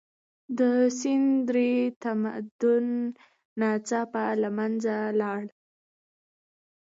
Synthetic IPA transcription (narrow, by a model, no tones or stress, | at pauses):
d̪əsɪnd̪ɾet̪ama̰d̪ʊnː | ɑt͡sɑpalamanzalɑɽ